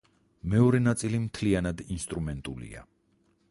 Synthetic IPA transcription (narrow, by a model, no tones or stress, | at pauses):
mɛɔɾɛnat̪sʼilimt̪ʰlianad̪inst̪ʼɾumɛnt̪ʼulḭa̰